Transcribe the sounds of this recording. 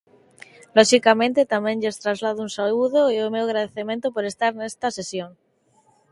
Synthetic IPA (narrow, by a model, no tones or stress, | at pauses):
loʃikamẽnt̪et̪amẽɲʎest̪ɾazlaðounsauð̞oeomewaɣɾað̞eθemẽnt̪opoɾest̪aɾnest̪asesjoŋ